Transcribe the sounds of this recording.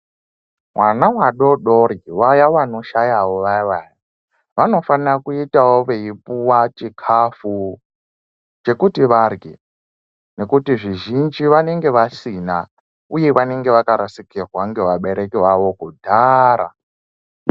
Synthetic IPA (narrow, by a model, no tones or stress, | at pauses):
mwanawaɗo̞ɗoɾiwajaʋano̞ʃajawoʋaʋaːji | ʋano̞fanrakuitawoʋe̞ipuwat͡ʃikʰafu | t͡ʃe̞kutiʋarɡḛ | ne̞kutiʐiʒind͡ʒiʋane̞ŋɡe̞ʋasina | uje̞ʋane̞ŋɡe̞ʋakaɾasikirwaŋɡe̞ʋaɓe̞ɾe̞kiwawo̞kudʱaɾa̰